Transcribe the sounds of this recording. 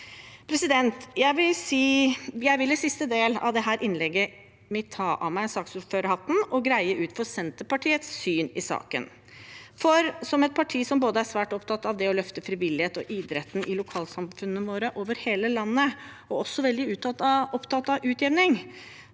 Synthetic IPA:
pʰɾɛsɪd̪ɛnt̪jæɪʋɪlsiːjæɪʋɪlːəsɪst̪əd̪eːlɑ̰ʋd̪ɛɦæːɾʔɪnlɛɡːə | mɪt̪ʰɑːʔɑ̰mæɪɛnsɑːksuːɾføːɾəhɑt̪n̩ɔɡɾæɪəʔʉːt̪fɔɾsɛnt̪əpɑʈʰiːət̪sːyːnɪsɑ̰ːkə̰n | fɔɾsɔmɛt̪̚pʰɑʈʰiːsɔmboːd̪əæsʋæːʈɔpt̪ʰɑt̪ːɑʋd̪ɛɔlœft̪əfɾɪʋɪlːɪheːt̪ɔʔiːd̪ɾɛt̪n̩ʔɪlʊkʰɑːlsɑmfʉnːəʋoːɾəʔoːʋəɾheːləlɑnːə | ɔɔsːɔʋɛld̪ɪʉːt̪ɑt̪ːɑʔɔpt̪ʰɑt̪ːɑʋʉːt̪jɛʋnɪŋ

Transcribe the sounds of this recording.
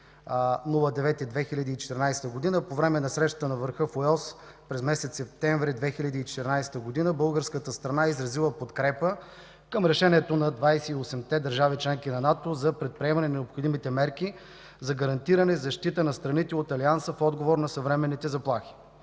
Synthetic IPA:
nulˠəd̪ɛvɛt̪id̪vɛxilʲɐd̪iːt͡ʃɛ̥t̪ɛɾnajst̪əɡod̪inəpovɾɛmɛnɐsɾɛʃt̪ə̥t̪ənɐvəɾxɤfoɔs | pɾɛzmɛsɛt̪sɛp̚t̪ɛɱvɾid̪vɛxilʲɐd̪iːt͡ʃɛ̥t̪ɛɾnajst̪əɡod̪inəbɤlˠɡəɾskət̪əst̪ɾɐnaizɾɐzilˠəpot̪kɾɛpə | kəmɾɛʃɛnʲiɛt̪onɐd̪vajsɛiosɛmt̪ɛd̪ɐɾʒavit͡ʃlɛŋkinɐnat̪ozɐpɾɛt̪̚pɾiɛmɐnɛnɛopxod̪imit̪ɛmɛɾki | zɐɡɐɾɐnt̪iɾɐnɛzɐʃt̪it̪ənɐst̪ɾɐnit̪ɛot̪ɐliansəfɔd̪ɡovoɾnɐsɐvɾɛmɛnːit̪ɛzɐplˠaxi̥

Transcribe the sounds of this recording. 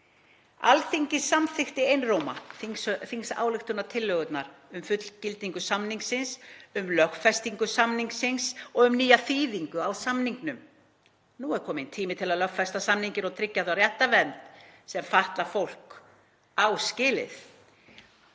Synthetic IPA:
a̰lθiɲcɪsamθɪxt̪ɪejnroːwma̰θiŋsfiŋksa̰ːwlɪxt̪ʏnːat̪ʰɪlːœːɣʏt̪naɾʏmfʏt̪l̥cɪlt̪iŋkʏsamniŋksɪnsʏmlœxfɛst̪iŋkʏsamniŋksɪnsɔɣʏmniːjaθiːðiŋkʏawsamniŋknʏm | nuɛɾ̥kʰɔːmɪnt̪ʰiːmɪt̪ʰɪlaðlœxfɛst̪asamniɲcɪɾawt̪ʰɾɪcːaθarjɛht̪avɛnt̪sɛmfaht̪lafowl̥k | awscɪːlɪ̰θ

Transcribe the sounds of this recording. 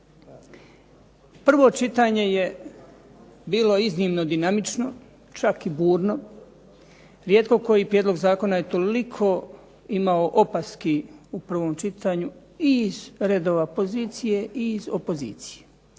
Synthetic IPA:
pr̩ʋo̞t͡ʃit̪aɲe̞je̞ | biːlo̞izniːmnod̪inamit͡ʃno̞ | t͡ʃakibuːɾno̞ | ɾjeːt̪ko̞ko̞jipɾjed̪lo̞ɡzaːko̞naje̞t̪o̞likʰo̞ | imaoʔopast̪kiupr̩ʋo̞ːmt͡ʃit̪aɲu | izɾe̞d̪oʋapoziːt̪sije̞ʔiːzopo̞zḭːt̪sije

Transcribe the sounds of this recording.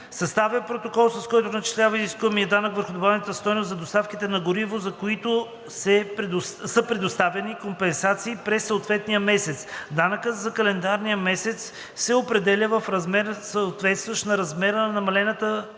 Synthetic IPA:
sɐst̪avɛpɾot̪okɔlˠsɐskɔjt̪ʊnɐt͡ʃi̥slʲavəiziskuvɐmiəd̪anəkvəɾxʊd̪obavnət̪əst̪ɔjnʊszɐd̪ost̪afkit̪ɛnɐɡʊɾivozɐkoit̪o | sɛ | səpɾɛd̪ost̪avɛnikompɛnsat̪siːpɾɛsːoot̪vɛt̪nijəmɛsɛt̪sd̪anəkət̪zɐkɐlɛnd̪aɾnijəmɛsɛt̪s | sɛopɾɛd̪ɛlʲəvəfɾɐzmɛɾsəot̪vɛt̪st̪vɐʃt̪nɐɾɐzmɛɾənɐnɐmɐlɛnət̪ə

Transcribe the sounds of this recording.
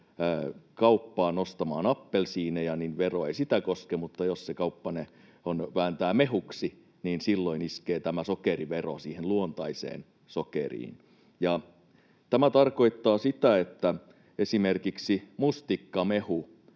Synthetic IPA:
əːkɑupːɑːnost̪ɑmɑ̰ːnɑpːelsiːnejɑninʋeroeisit̪ækoskemut̪ːɑjossekɑupːɑne | onʋæːnt̪æːmeɦuksi | niːnsilːoiniskeːt̪æmæsokeriʋero̰siːhenluont̪ɑisḛːn | sokḛrḭːn | jɑ | t̪æmæt̪ɑrkoit̪ːɑːsit̪æet̪ːæ | esimerkiksimust̪ikːɑmehu

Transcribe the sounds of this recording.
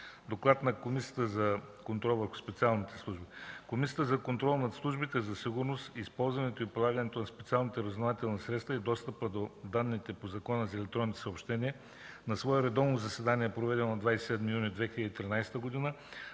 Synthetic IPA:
d̪oklˠat̪nɐkomisijə̥t̪əzɐkont̪ɾɔlˠvəɾxʊ̥spɛt̪sialˠnit̪ɛ̥slˠuʒbikomis̬ʲijət̪əzɐkont̪ɾɔlˠnɐt̪slˠuʒbit̪ɛzɐsiɡʊɾnost̪iːspɔlˠzvɐnɛt̪oipilˠaɡənɛt̪onɐspɛ̥t̪sialˠnit̪əɾəznovat̪ɛlˠnisɾɛt̪st̪vəid̪ɔst̪əpəd̪od̪anːit̪ɛpozɐkɔnəzɐɛlɛk̚t̪ɾɔnit̪ɛ̥sopʃt̪ɛniɛ | nɐsvɔɛɾɛd̪ɔvnozɐsɛd̪aniɛɛpɾovɛd̪ɛnonɐd̪vajsɛ̥sɛd̪mijunid̪vɛxiləd̪it̪ɾinajst̪əɡod̪inə

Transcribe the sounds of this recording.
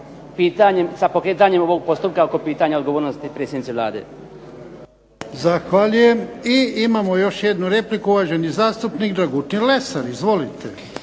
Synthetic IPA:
piːt̪aɲemsapokɾet̪̬aɲemoʋoɡ̚po̞st̪up̚kaoko̞piːt̪aɲaod̪ɡoʋoːɾnost̪ipɾet̪sjed̪nit̪elˠa̰ːd̪ḛ | zaxʋaʎujemiimamo̞jo̞ʃjed̪nuɾe̞plikuuʋaːʒenizaːst̪upnikd̪ɾaɡut̪nilesaɾizʋo̞lit̪ʰe

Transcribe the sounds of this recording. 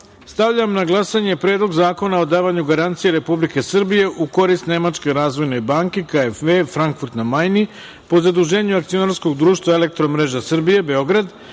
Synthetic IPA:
st̪aʋʎamnaɡlˠasaɲe̞pɾe̞ːd̪lˠo̞ɡzaːko̞nao̞d̪aːʋaɲuɡaɾant̪sije̞ɾe̞publike̞sr̩bije̞ʔuko̞ɾist̪ne̞mat͡ʃke̞ɾaːzʋo̞jne̞baːŋkekaefʋefɾaŋkfuɾt̪namajni | po̞zad̪uʒe̞ːɲuak̚t̪sio̞naɾsko̞ɡd̪ɾuːʃt̪vʋaele̞k̚t̪ɾo̞mɾe̞ʒasr̩bije̞be̞o̞ɡɾad̪

